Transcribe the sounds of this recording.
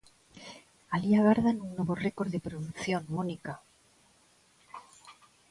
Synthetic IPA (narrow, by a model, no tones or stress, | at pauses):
aliaɣaɾðanunːweβoreko̞ɾðepɾoðukθjo̞nmonika